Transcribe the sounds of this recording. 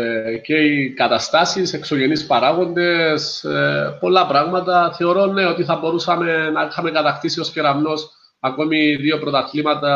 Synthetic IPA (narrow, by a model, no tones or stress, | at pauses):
ce̞ikɐt̪ɐst̪ɐsisekso̞ʝe̞nispɐɾaɣo̞nd̪e̞s | po̞lːɐpɾɐɣmɐt̪ɐθe̞o̞ɾo̞nːeo̞t̪iθɐbo̞ɾusɐme̞nɐixɐmekɐt̪ɐxt̪isio̞sceɾɐvno̞s | ɐko̞miðio̞pɾo̞t̪ɐt̪limɐt̪ɐ